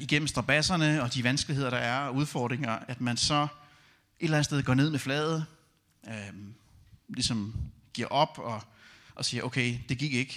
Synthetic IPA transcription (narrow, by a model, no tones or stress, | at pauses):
iɡ̥em̰m̩sd̥ʁɑ̈b̥æsɐnəɒ̽d̥iʋænsɡ̥lihe̝ð̰ˠɐɾ̥ɑ̈æɐɒuð̞ˠfɒːd̥ʁeŋɐæd̥mænsɒ̽ | ʔe̝ɾ̥elæn̩steðˠɡ̥ɒ̰ːne̝ð̰ˠmeflɛːð̩ˠ | ø | lisɒ̽mɡ̥iɐ̰ʔɒ̽b̥ɒ̽ʔɒsiːɐʔoʊkʰeɪd̥e̝ɡ̥iɡ̥e̝ɡ̥